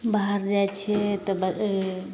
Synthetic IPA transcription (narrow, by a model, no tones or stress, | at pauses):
baɦəɾd͡ʒajt͡ʃʰɛt̪ɔbə